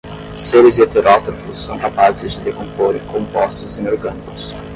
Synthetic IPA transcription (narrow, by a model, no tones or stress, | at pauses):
seɾɪzet̪eɾɔt̪ɾofʊsːɐ̃w̃kapazɪzd͡ʒɪd̪ekõmpoɾẽkõmpɔst̪ʊzẽj̃oɾɡɐ̃nikʊs